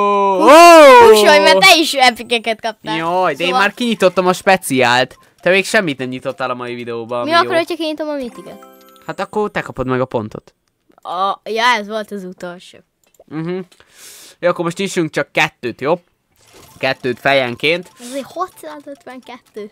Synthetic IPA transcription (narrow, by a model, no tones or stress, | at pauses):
ouʃojmɛrt̪ɛiʃɛpikɛkɛt̪kɒp̚t̪jojd̪ɛeːmaːrkiɲit̪ot̪ːɒmɒʃpɛt̪siaːlt̪ | t̪ɛmeːkʃɛmːit̪nɛmɲit̪o̞t̪ːɛlɒmɒivid̪ɛoːbɒmiɒooɾocːɒkiɲit̪omɒmit̪iɡɛ̰t̪ | hat̪ɒkːort̪ɛkɒpo̞d̪mɛɡɒpo̞nt̪o̞̰t̪ | jɒɛzʋo̞lt̪ɒzut̪olʃo̰ː | m̩ɦm̩ | jɒkːormo̞ʃt̪nit͡ʃyŋk̚t͡ʃɒkːɛt̪ːøːt̪joː | kɛt̪ːøːt̪fɛjɛŋkeːnt̪ɛzeːhot̪sɒt̪ot̪ʋɛŋkɛt̪ːøː